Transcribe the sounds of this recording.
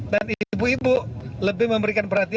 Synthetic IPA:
danibuibuləbɪhməmbəɾikanpərɦat̪i

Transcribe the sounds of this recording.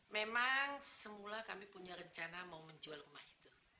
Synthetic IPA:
memaŋsəmulahkamipuɲarəɲt͡ʃanamauməɲd͡ʒualrumahi̥t̪u

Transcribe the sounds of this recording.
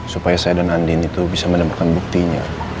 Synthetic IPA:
supajasajadanandɪnit̪ubisamənəmat̪̚kanbuk̚t̪iɲa̰

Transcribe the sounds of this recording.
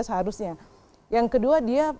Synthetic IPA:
səɦaɾʊsɲa | jaŋkəduadia

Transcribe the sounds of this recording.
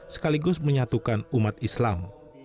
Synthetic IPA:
sə̥kaliɡʊsməɲat̪ukanumat̪islam

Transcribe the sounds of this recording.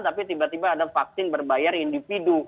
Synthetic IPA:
t̪apit̪ibat̪ibaːdafak̚sɪnbərbajarindifidu

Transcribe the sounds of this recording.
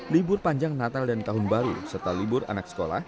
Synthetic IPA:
libʊrpaɲd͡ʒaŋnat̪aldant̪aɦʊnbaɾṵsərt̪alibʊra̰naksə̥kola̰h

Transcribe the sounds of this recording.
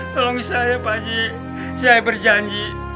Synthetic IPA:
t̪olɔŋisajapad͡ʒi | sajabərd͡ʒaɲd͡ʒi

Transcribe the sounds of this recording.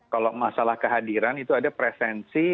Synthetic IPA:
kalomasalahkəɦadiɾanit̪uadapɾɛfɛnsi

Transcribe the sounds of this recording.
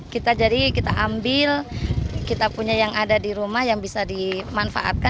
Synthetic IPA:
kit̪ad͡ʒadikit̪aʔambɪlkit̪apuɲajaŋadadiɾumahjaŋbisadimanfa̰ʔa̰t̪̚ka

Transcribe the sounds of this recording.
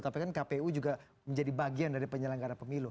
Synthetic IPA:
t̪apikankapeud͡ʒuɡa | məɲd͡ʒadibaɡiandaɾipəɲələŋɡaɾanpəmilu

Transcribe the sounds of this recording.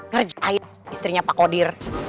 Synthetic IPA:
kərd͡ʒai | ist̪ɾiɲapakodɪr

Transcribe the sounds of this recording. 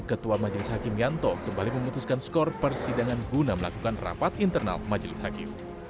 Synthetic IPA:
kət̪uamad͡ʒəlɪshakɪmjant̪ɔkəmbaliməmut̪uskanskɔrpərsidaŋanɡunaməlakukanra̰pat̪int̪ərna̰lmad͡ʒəlɪshakɪ̰m

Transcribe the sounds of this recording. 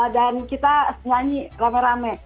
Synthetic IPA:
dankit̪asəɲaɲiramɛɾamɛ

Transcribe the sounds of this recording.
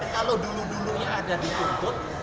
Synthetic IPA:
kaloduluduluɲaaɡadikoŋt̪ʊt̪̚

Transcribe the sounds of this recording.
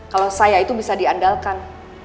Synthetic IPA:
kalawsajait̪ubisadiandalkan

